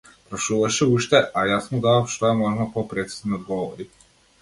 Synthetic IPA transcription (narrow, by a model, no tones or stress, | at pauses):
pɾaʃuvaʃɛuʃt̪ɛajasmud̪aafʃt̪ɔjamɔʒnapɔpɾɛt̪si̥zniod̪ɡɔvɔ̰ɾi